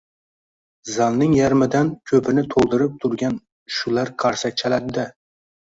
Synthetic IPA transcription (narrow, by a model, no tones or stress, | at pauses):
zɑlˠnɪŋjaɾmɪd̪ankʲʰɵpʰɪnɪt̪ʰolˠd̪ɨɾɪp̚t̪ʰʊɾɡʲan | ʃulˠaɾqʰɑɾsak̚ʲt͡ʃʰælad̪ɪd̪ɪ